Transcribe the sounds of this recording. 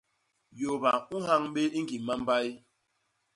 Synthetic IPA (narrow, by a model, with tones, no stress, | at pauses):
jo˨ba˨u˦ɦa˦ŋ˦ɓe˦i˦ŋ˦ɡi˨ma˦m̩˦ba˦i˦